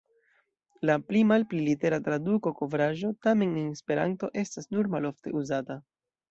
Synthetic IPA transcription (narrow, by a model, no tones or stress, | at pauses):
laplimalplilite̞ɾatɾaduko̞ko̞vɾaʒo̞tame̞nenspe̞ɾa̰nto̞ʔe̞stasnuɾmalo̞fte̞uzata